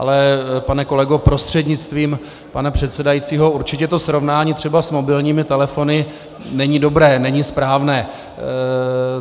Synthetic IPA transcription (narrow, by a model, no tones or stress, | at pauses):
ʔa̰lɛpanɛko̞lɛɡopɾo̞st̪r̝̥ɛdɲɪt͡st̪viːm | panapr̝̥ɛt̪sɛdajit͡siːɦo̞uɾt͡ʃɪcɛt̪o̞sɾo̞vnaːɲiːt̪r̥ɛbasmo̞bɪlɲiːmɪt̪ɛlɛfo̞nɪ | nɛɲido̞bɾɛːnɛɲispɾaːvnɛː